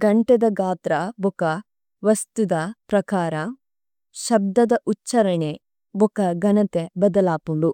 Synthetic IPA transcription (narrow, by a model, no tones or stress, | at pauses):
ɡɐɳʈed̪ɐɡaːt̪ɾɐbukɐ | ʋɐst̪ud̪ɐpɾɐkaːɾɐ | ʃɐb̚d̪ɐd̪ɐʔutːt͡ʃɐɾɐɳe | bukɐɡɐnɐt̪ebɐd̪ɐlaːpumu